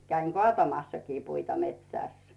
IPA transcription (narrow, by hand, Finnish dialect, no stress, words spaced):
kæiŋ kŏɑˑtɑmɑsːɑkiː puitɑ metsæˑs